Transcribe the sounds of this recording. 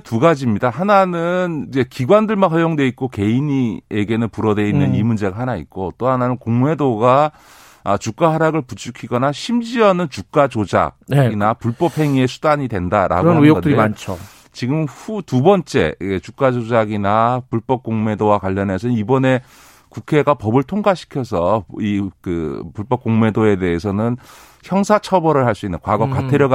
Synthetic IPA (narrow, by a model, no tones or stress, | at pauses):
tuɡad͡ʑimɲidahananɯnid͡ʑe̞kiɡwandɯɭmanɦʌjoŋdwe̞it̚k͈oke̞iɲieɡe̞nɯnpuɾʌdwe̞innːɯnimund͡ʑe̞ɡaɦanaḭt̚k͈ot͈ohananɯnkoŋme̞doɡaː | t͡ɕuk͈aɦaɾaɡɯɭput͡ɕʰukʰiɡʌnaɕʰimd͡ʑiʌnɯnt͡ɕuk̚k͈ad͡ʑod͡ʑa̰ɡ̚inapuɭp͈ʌp̚ʰhe̞ŋie̞sʰudaɲidwe̞ndaɾʔa̰ɡʌotet͡ɕʰo | t͡ɕiɡɯmhutubʌnt͡ɕ͈e̞̰et͡ɕuk͈ad͡ʑod͡ʑaɡinapuɭp͈ʌp̚k͈oŋme̞dowakwaʎːʌne̞sʰʌnnibʌne̞ | kukʰe̞ɡapʌbɯɭtʰoŋɡaɕʰi̥kʰjʌsʰʌikɯ̰puɭp͈ʌp̚k͈oŋme̞doe̞de̞ɦesʰʌnɯn | çjʌŋsʰat͡ɕʰʌbʌɾɯɭhaɭs͈uinːɯnkwaɡʌk͈atʰeɾjʌɡ